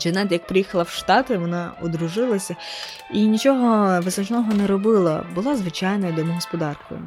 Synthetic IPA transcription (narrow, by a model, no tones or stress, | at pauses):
d͡ʒɛnɛt̪jɐk̚pɾɪjixɐlˠɐwʃt̪ɑt̪ɪʋɔnɑʊd̪ɾʊʒɪlˠɐsʲɐ | inʲit͡ʃɔɦɔʋɪznɐt͡ʃnɔɦɔnɛɾɔbɪlˠɐ̰bʊlˠɑzʋɪt͡ʃɑjnɐjd̪ɔmʊɦɔspɔd̪ɑrkɔ̰jʊ̰